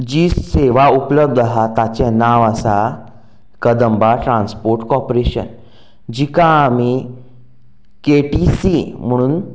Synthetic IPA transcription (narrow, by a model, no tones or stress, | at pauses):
d͡ʑiːseʋaupləb̚d̪əɦat̪at͡ɕẽnaʋasa | kəd̪əmbaʈɾãnspoɾʈkɔɾpɾeɕə̰n | d͡ʑikãːmi | keʈisim̤əɽ̃uːn